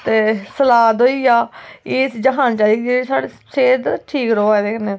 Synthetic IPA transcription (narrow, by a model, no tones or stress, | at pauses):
t̪eːsəlaːd̪oːiːaːeːsd͡ʒəɦaːnt͡ʃaːikd͡ʒesaːɽeː | seːd̪ʈʰiːkɾoːad̪eːknẽː